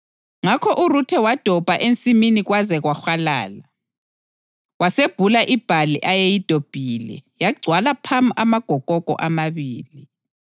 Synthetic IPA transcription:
ŋakʰɔʔurutʰɛwad̥ʱɔb̥ʱaʔent͡sʼiminiɣwazɛɣwaxala̰ːla | waseb̥ʱulaʔib̥ʱaliʔajejid̥ʱob̥ʱilɛ̰jaɡ͡ǀʱwalapʰamamaɡ̥ʱɔkʼɔkʼɔ̰ʔamaβiːli

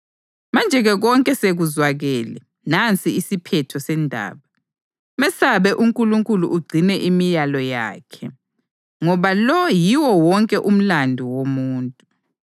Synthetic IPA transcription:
mand͡ʒʱɛɣɛɣɔŋkʼɛseɣuzwaɣɛːlɛ | nant͡sʼiisipʰɛtʰɔsɛndʱa̰ːβa | mɛsaβɛʔuŋkʼuluŋkʼuluʔːɡ͡ǀʱinɛʔimijalɔja̰ːkʰɛ | ŋɔβalɔjiwɔwɔŋkʼɛʔum̩landʱuwomuːntʼu

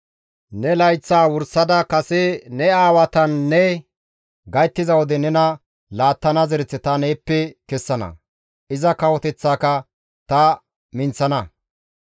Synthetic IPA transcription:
nɛlɐjt͡sːaːwʊɾsɐd̪ɐkɐsɛnɛaːwɐt̪ɐnːɛ | ɡɐjt̪ːɪzɐwɔd̪ɛnɛnɐ | laːt̪ːɐnɐzɛɾɛt͡sːɛt̪ɐneːpːɛkɛsːɐnɐ̰ | ʔɪzɐkɐwɔt̪ɛt͡sːaːkɐ | t̪ɐ | mɪnt͡sːɐnɐ

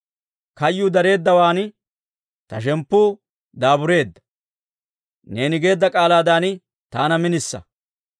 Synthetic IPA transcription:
kɐjːʊd̪ɐɾe̞ːd̪ːɐwaːn | t̪ɐʃ̬ɛmpːʊː | d̪aːbʊɾe̞ːd̪ːɐ̥ | ne̞ːnɪɡe̞ːd̪ːɐkʼaːlaːd̪aːn | t̪aːnɐmɪnɪsːɐ̰

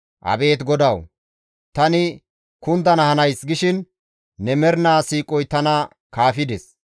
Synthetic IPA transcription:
ʔɐ̰be̞ːt̪ɡɔd̪ɐw | t̪ɐnɪ | kʊnd̪ɐnɐhɐnɐjsɡɪʃɪnː | ɛmɛɾnaːsiːkʼɔjt̪ɐnɐ | kaːfɪd̪ɛs

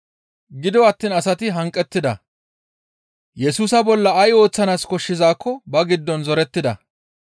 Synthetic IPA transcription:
ɡɪd̪ɔɐt̪ːiːnɐsɐt̪ɪɦɐŋkʼːɛt̪ːɪd̪ɐ | jɛsuːsɐbɔlːɐɐjo̞ːt͡sːɐnaːskɔʃːɪzaːkːɔbɐɡɪd̪ːɔnzɔɾɛt̪ːɪd̪ɐ̰

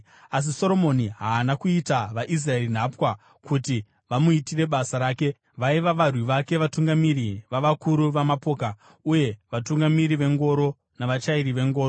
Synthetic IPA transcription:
as̬iso̞ɾo̞mo̞niɦaːnakuitaʋaʔis̬rae̞rin̤apwa | kuti | ʋamuitire̞ɓasaɾaːke̞ | ʋaiʋaʋarwiʋake̞ʋatuŋɡamiɾiʋaʋakuɾuʋamapo̞ːka | uje̞ʋatuŋɡamiɾiʋe̞ŋɡo̞ɾo̞ | naʋat͡ʃaiɾiʋe̞ŋɡo̞ːro

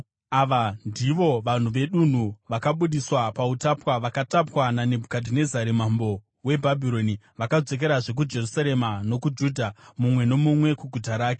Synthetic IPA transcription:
aʋandiʋo̞ʋan̤uʋe̞ɗun̤uʋakaɓuɗiswapautapwaʋakatapwanane̞bʱukadʱine̞zaɾemambo̞ | we̞bʱabʱiɾo̞ni | ʋakad͡ze̞k̬e̞ɾaʐe̞k̬ud͡ʒe̞rusaɾe̞mano̞kud͡ʒuːdʱamumwe̞no̞mumwe̞kuɡʱutaɾaːke̥

